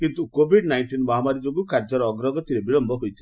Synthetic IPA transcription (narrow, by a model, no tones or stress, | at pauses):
kint̪ukobʱiɖnajɳʈinmɔɦamaɾid͡ʒoɡukaɾd͡ʒɔɾɔɡɾɔɡɔt̪iɾebiɭɔmbʱɔɦojt̪ʰi